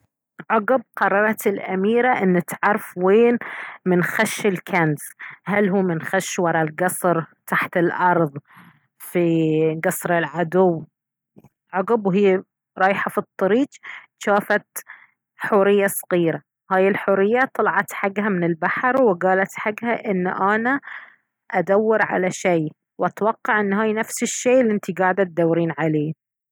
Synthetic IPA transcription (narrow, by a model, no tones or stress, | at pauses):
ʕʊɡɪb̚qɑrˤːɑɾˤɑt̪ɪlʔamiːɾaʔɪnːt̪ʕɑɾˤfweːnmɪnxaʃːɪlkʰanzhalɦuːmɪnxaʃwɑɾˤɑlɡɑsˤɾt̪ʰaħt̪ɪlʔɑɾˤðˤ | fiɡɑsˤɾɪlʕad̪ʊw | ʕʊɡɪbwɦɪjː | ɾˤɑːjħafit̪ˤːɑɾiːd͡ʒ | ʃaːfat̪ | ħʊːɾɪjːasˤɑɣiːɾa | haːjɪlħʊːɾɪjːat̪ˤːɑlɑʕɑt̪ħaɡhamɪnɪlbaħɾwɪɡaːlat̪ħaɡhaʔɪnːʔana | ʔad̪awːɑɾʕa̰laʃeː | wʔat̪wɑqːɑʕʔɪnːɦaːjnafsɪʃːeːʔlːʔɪnt̪iɡaːʕɪd̪at̪̚d̪awːɾiːnʕaleː